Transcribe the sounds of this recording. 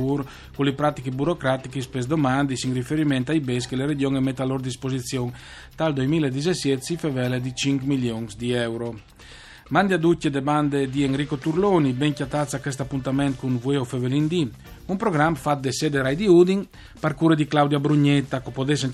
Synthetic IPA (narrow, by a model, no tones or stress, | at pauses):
uɾ | kulipɾat̪ikibuɾokɾat̪ikispesd̪omand̪isiŋrifeɾimɛnt̪ajbes̬keleɾed͡ʒjoŋemɛt̪ːaloɾd̪ispozit̪sjoŋ | t̪ald̪ojmiled̪izesjet̪sifevɛled̪it͡ʃiŋkmiljoŋsd̪iɛwɾo | mand̪iad̪ucːed̪eband̪ed̪ieŋɾikot̪uɾlonibɛŋkjat̪at̪sakɛst̪apːunt̪amɛnt̪̚kunvueofevelind̪i | umpɾoɡɾamfat̪̚d̪esɛd̪eɾajd̪iud̪iŋ | paɾkuɾed̪iklawd̪jabɾuɲɛt̪ːakopod̪esen